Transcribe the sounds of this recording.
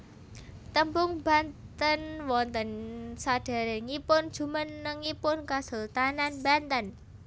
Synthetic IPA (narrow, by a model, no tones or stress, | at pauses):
t̪əmpʊŋba̤nt̪ənwɔnt̪ənsad̥a̤ɾeŋipʊnd̥d͡ʒ̥ṳmənːəŋːipʊnkasult̪ananba̤nt̪ən